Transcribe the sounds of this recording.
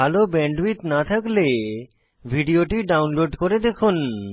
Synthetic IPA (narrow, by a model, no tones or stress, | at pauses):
alobɛɳɖwit̪nat̪ʰakle | bʱiɖioʈiɖawnloɖkoɾed̪ekʰun